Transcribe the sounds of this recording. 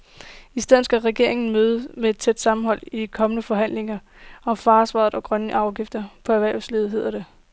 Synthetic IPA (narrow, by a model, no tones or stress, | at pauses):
isd̥eð̰̩ˠsɡ̥æʁɛɡ̥e̝ɐ̰eŋn̩møːð̞̩ˠəmeed̥̚t͡sʰed̥sɑ̈mm̩ɦɒ̽l̰ikʰɒ̽mənəfɒ̽ɦæn̰leŋɐ | ɒ̽mfɑ̈ːsʋɑ̰̈ːð̩ˠɒ̽ɡ̥ʁɶnəʔɑ̈ʊɡ̥ifd̥ɐpʰɒ̽æʋæɐʊsliːð̞̩ˠɦe̝ð̰ˠɐɾ̥e